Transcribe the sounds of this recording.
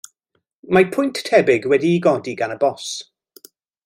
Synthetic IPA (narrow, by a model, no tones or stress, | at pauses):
mapʰʊjntʰːɛbɪɡwɛdiːɡɔdiɡanəbɔs